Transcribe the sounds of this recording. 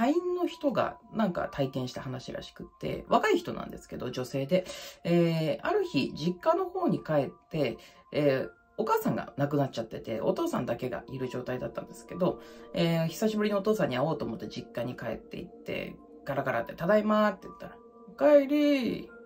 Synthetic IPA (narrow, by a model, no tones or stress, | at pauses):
haĩnːo̞çi̥t̪o̞ɡa̰nãŋka̰t̪ʰaikẽɰ̃ɕi̥t̪aɦanaɕiɾa̰ɕi̥kɯ̟̥t̪ːe̞̰βakaiçi̥t̪o̞nʔã̰nd̪e̞sɨ̥ke̞d̪o̞̰d͡ʑo̞se̞ːd̪e̞eːaɾɯ̟çiʑikːano̞ho̞ːɲ̟ikae̞t̪ːe̞ː | okaːsãŋɡa̰nak̬ɯ̟nat̚t͡ɕat̪ːe̞t̪e̞̰o̞̰t̪o̞ːsã̰nd̪ake̞ɡa̰ʔiɾɯ̟ʑo̞ːt̪aid̪at̪ːã̰nd̪e̞sɨ̥ke̞d̪o̞eːçi̥saɕibɯ̟ɾʲinoot̪o̞ːsãɲ̟ːiao̞ːt̪oːmo̞t̪ːed͡ʑikːaɲ̟ikae̞̰t̪ːe̞̰ḭt̪ːe̞̰ | ɡ̥aɾaɡaɾʔa̰t̪ːe̞t̪ad̪aimat̪ːeɯ̟t̪ːaɾa | kaeɾʲi